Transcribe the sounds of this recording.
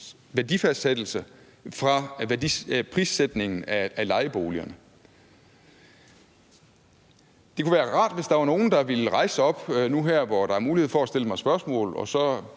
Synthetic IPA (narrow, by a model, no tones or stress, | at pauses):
ʋæɐd̥ifæd̥sed̥l̩sə | fʁɑ̈æɐdipʰʁiːsed̥ne̝ŋn̩æælɑ̈ɪəb̥o̝ːliɐnə | d̥e̝kʰuʋæːɐʁɑ̰̈ːd̥ʋe̝sd̥ɑ̈ʋɑ̈no̝ːn̩d̥ɑ̈ʋe̝lʁɑ̈ɪsəɒ̽b̥nuɦæɐ̰ʋɒd̥ɑ̈æɐmuːlihe̝ð̩ˠfɒæsd̥e̝ləmɑ̈ɪsb̥ɶɐsmɔ̰̽ːlɒ̽sɒ̽